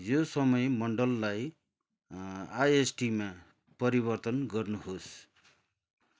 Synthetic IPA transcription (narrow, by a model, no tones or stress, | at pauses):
josʌmʌjmʌɳɖʌlːaj | ajesʈima | pʌɾibʌrt̪ʌnɡʌrnuɦos